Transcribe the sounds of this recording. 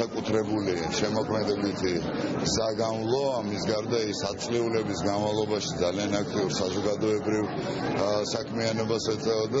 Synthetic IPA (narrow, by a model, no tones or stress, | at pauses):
akʼut̪ʰɾɛbuli | ʃɛmɔkʰmɛd̪ɛbit̪ʰi | ɡzaɡanlˠɔamisɡaɾd̪aisat̪sʼliulɛbisɡanmavlˠɔbaʃid̪zalianak̚ʰt̪ʼiuɾsazɔɡad̪ɔɛbɾiv | sakʰmianɔbasɛt̪sʼɛɔd̪a